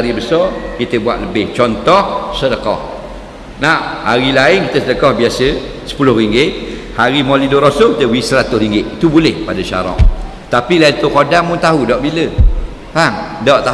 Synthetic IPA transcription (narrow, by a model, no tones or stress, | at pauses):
ɾibəsɔkit̪əbua̰ʔ̪̚ləbɪht͡ʃɔnt̪ɔhsədəkɔ̰h | nahaɾilaɪnkit̪əsədəkɔhbiasə | sə̥pulʊhriŋɡɪʔ | haɾimɔlidoɾosʊkit̪əwisəlat̪ʊsɾiŋɡɪʔt̪ubulɪhpadaʃa̰ɾɔ̰ŋ | t̪apilaint̪ukodaŋmʊnt̪aɦudɔʔbilə | paŋdɔʔt̪a